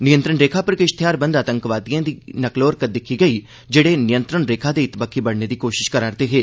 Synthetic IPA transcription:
nɪjə̃nt̪ɾəɳɾeːkʰaːpəɾkɪʃt̪ʰɪjaːɾbə̃nd̪aːt̪ə̃ŋkʋaːd̪ijãːd̪iːnəkloːɾkəd̪ɪkʰiɡəi | d͡ʒeːɽenɪjə̃nt̪ɾəɳɾeːkʰaːd̪eɪt̪bəkʰːiːbəɽned̪iːkoːʃɪʃkəɾaːɾd̪eːɦeː

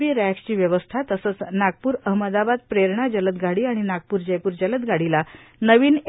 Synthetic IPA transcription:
iːɾækst͡ɕiːʋjəʋəst̪ʰat̪əsət͡snaɡ̚puːɾəɦməd̪abad̪̚pɾeɾɳ̃ad͡ʑələt̪ɡʱaɽiːaɽ̃inaɡ̚puːɾd͡ʑəjpuːɾd͡ʑələt̪̚ɡʱaɽilanəʋiːn

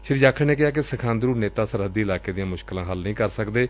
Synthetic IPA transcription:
ʃəɾiːd͡ʒaːkʰəɳeːk̬ɪaːk̬ɪsəkʰãːnd̪ɾuːneːt̪aːsəɾɦəd̪iːɪlaːkeːd̪ijãːmʊʃkɪlãːɦəlnəĩːkəɾsəkd̪eː

